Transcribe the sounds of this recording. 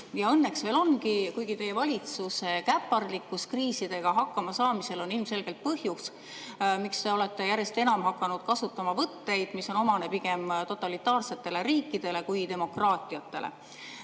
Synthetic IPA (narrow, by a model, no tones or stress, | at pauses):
jɑɤnːe̞ksve̞ːlo̞nɡikujɡ̥it̪e̞jevɑlʲit̪suse̞kæpːˑɑrlikːuskriːsid̪̥e̞ɡ̥ɑɦɑkːɑmɑsɑːmise̞lo̞nilmse̞lɡ̥elt̪̚pɤhjus | mikst̪e̞o̞le̞t̪ːe̞jæɾje̞st̪e̞nɑmhɑkːˑɑnud̪̥kɑsut̪ːˑɑmɑvɤt̪ːe̞jd̪̥miso̞no̞mɑnepiɡe̞mt̪o̞t̪ːˑɑlit̪ːˑɑːrse̞t̪ːe̞leɾiːkːˑid̪̥e̞le̞kujd̪e̞mo̞krɑːt̪ˑiɑt̪ːelʔḛ